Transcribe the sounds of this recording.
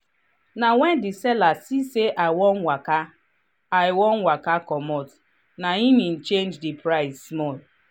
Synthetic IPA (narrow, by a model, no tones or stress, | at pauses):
nawɛndisɛlasiseʔawɔnwaka | aɪwɔn̩wakakɔmɔt | naimĩn̩t͡ʃend͡ʒdipɾaɪssmɔl